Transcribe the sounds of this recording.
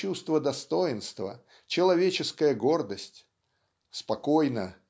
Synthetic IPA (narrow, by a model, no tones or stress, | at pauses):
ust̪vəd̪ɐst̪o̞jɪnst̪və̰ | t͡ɕɪlˠɐvʲet͡ɕɪskəjəɡo̞rd̪əsʲtʲ | spɐkojnə